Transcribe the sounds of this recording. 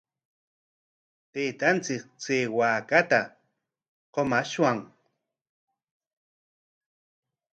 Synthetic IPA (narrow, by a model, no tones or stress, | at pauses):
t̪eːt̪ant͡sɪk̚t͡seːwaːkat̪a | qomaʃwaŋ